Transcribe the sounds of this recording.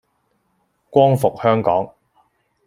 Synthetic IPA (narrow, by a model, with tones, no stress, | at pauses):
kʷɔː˥ŋfʊ˨k̚hœː˥ŋkɔ̰ː˨˥ŋ